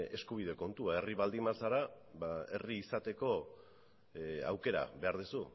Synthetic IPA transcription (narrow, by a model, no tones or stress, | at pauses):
e̞skuβ̞ið̞e̞ko̞nt̪uae̞riβald̪imasaɾa | βae̞̰riːsat̪e̞ko̞ | a̰wke̞ɾa̰βe̞aɾðusu